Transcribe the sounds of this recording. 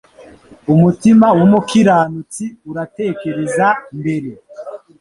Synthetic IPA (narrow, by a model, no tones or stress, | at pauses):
umutimawomukiɾaːnut͡siuɾate̞ːke̞ɾe̞zambe̞ɾe̞